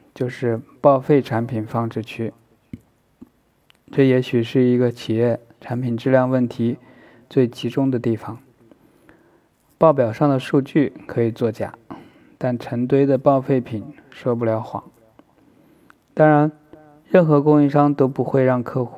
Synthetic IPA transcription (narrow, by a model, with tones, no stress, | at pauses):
t͡ɕjo˥˧ʊʂɻ̩˥˧pɑ˥˧ʊfe˥˩ɪʈ͡ʂʰa˧˥npʰi˨˩nfɑ˥˧ŋʈ͡ʂɻ̩˥˧t͡ɕʰy˥ | ʈ͡ʂɤ˥˩jɛ˧˥ɕy˨˩ʂɻ̩˥˩i˧˥ɡə˧t͡ɕʰi˨˩jɛ˥˩ | ʈ͡ʂʰa˧˥npʰi˨˩nʈ͡ʂɻ̩˥˧ljɑ˥˧ŋwə˥˩nt̪ʰi˧˥ | t͡swe˥˩ɪt͡ɕʰi˧˥ʈ͡ʂʊ˥ŋd̪ə˨t̪i˥˩fɑ˨˩ŋ | pɑ˥˩ʊpjɑ˨˩ʊʂɑ˥˩ŋd̪ə˩ʂu˥˧t͡ɕy˥˩kʰɤ˧˥i˨˩t͡swɔ˥˩t͡ɕja̰˨˩˦ | t̪a˥˩nʈ͡ʂʰə˧˥ŋt̪̬we˥ɪd̪ə˨pɑ˥˧ʊfe˥˩ɪpʰi˨˩˦n | ʂwɔ˥p̬u˥˩ljɑ˧˥ʊxwɑ̰˨˩˦ŋ | t̪ɑ˥ŋɻa˧˥n | ɻə˥˩nxɤ˧˥kʊ˥ŋi˥˧ʂɑ˥ŋt̪o˥ʊpu˧˥xwe˥˧ɪɻɑ˥˧ŋkʰɤ˥˧xu˥